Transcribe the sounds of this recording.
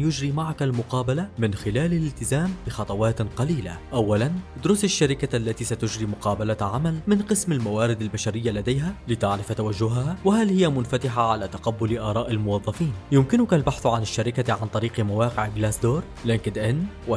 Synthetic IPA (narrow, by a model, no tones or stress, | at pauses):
jʊd͡ʒɾiːmaʕakalmʊqɑːbalamɪnxɪlaːlalɪlt̪ɪzaːmbɪxɑt̪ˤɑwɑːt̪qɑliːla̰ʔawːaland̪ʊɾʊsaʃːaɾɪkaʔalːat̪iːsat̪ʊd͡ʒɾiːmʊqɑːbalaʕamalmɪnqɨsmalmawaːɾɪd̪albaʃaɾɪjːalad̪ajɦalɪt̪aʕɾɪft̪awaʒːʊɦahaːwɪɦalhɪjːamʊnfat̪ɪħaʕalaːt̪aqabːʊlʔaːɾˤɑːʔalmʊwɑðˤːɑfiːnjʊmkɪnʊkalbaħθʕanɪʃːaɾɪkaʕant̪ˤɑɾiːqmawɑːqɪʕɡlaːsd̪oːɾˤ | lɪnkɪd̪ʔɪnː | wa